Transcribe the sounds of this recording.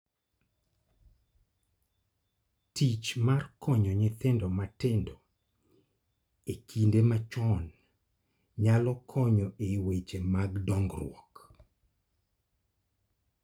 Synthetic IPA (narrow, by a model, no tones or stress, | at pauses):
tit͡ʃmarkʰɔɲɔɲɪt̪endɔmatɪndɔ | ekʰindemat͡ʃɔn | ɲalɔkʰɔɲɔʔewet͡ʃemaɡdɔŋɡrwɔk